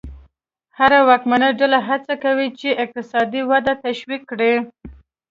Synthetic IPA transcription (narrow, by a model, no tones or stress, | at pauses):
haɾawɑkmanəɖalaɦat͡sakawit͡ʃeɪq̚t̪ɪsɑd̪iwad̪at̪aʃwikːɽe